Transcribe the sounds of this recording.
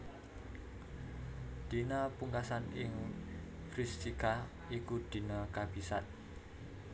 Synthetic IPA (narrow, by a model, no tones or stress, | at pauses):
d̪̥inapuŋkasanɪŋ | fɾist̪ika | ikud̪̥i̤nakab̥isa̰t̪̚